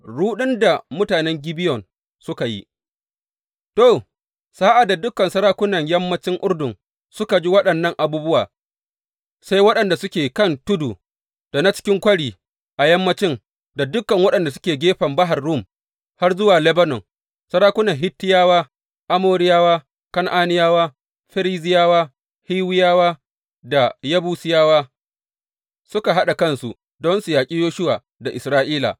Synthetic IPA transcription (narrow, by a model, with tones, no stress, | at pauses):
ɽuː˦ɗɪ˦nda˨mʊ˦taː˨nɛ˦ŋɡʲɪ˦bɪ˦jɔ˨n | sʊ˦ka˨jḭ˦ | to˦˨ | sa˦ʔa˨da˨dʊ˦kːɐ˨nsɐ˦ɾaː˦kʷʊ˦nɐ˨ɲjɐ˦mːɐ˦t͡ʃɪ˦ŋʔʊ˦rdʊ˨ŋ | sʊ˦ka˨d͡ʒi˦wɐ˦ɗɐ˨nːɐ˦˨ŋʔa˨buː˦bʊ˦waː˨ | sa˦jwɐ˦ɗɐ˨nda˨sʊ˦kʲeː˨kɐ˦ntʊ˦duː˨ | d̥a˨na˦t͡ʃɪ̥˦kʲɪ˦ŋkʷɐ˦ɽiː˨ | ʔa˨jɐ˦mːɐ˦t͡ʃɪ˦ŋ | da˨dʊ˦kːɐ˨ŋwɐ˦ɗɐ˨nda˨sʊ̥˦kʲeː˨ɡʲeː˦ɸɐ˨mbɐ˦ɦa˨rːu˦˨m | ha˦rzʊ˦waː˨lɛ˦bɐ˦nɔ˨ŋ | sɐ˦ɾaː˦kʷʊ˦nɐ˨ɦɪ˦tːɪ˦jaː˦waː˦ | ʔa˦moː˦ɾɪ˦jaː˦waː˦ | kɐ˦ŋʔaː˦nɪ˦jaː˦waː˦ | ɸɐ˦ɾiː˦zɪ˦jaː˦waː˦ | hiː˦wɪ˦jaː˦waː˦ | da˨jɐ˦buː˦sɪ˦jaː˦waː˦ | sʊ˦ka˨ɦa˦ɗa˨kɐ˦nsu˨ | dɔ˦nsu˨jaː˨kʲʼiː˦joː˦ʃʊ˦waː˨ | da˨ʔɪ˨sɾaː˦ʔiː˦la̰˨